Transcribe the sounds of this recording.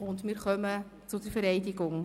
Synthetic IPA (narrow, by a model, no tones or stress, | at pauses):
ʊndmiːɾχœmə | t͡sʊd̥əɾfɛɾɛɪdɪɡʊŋ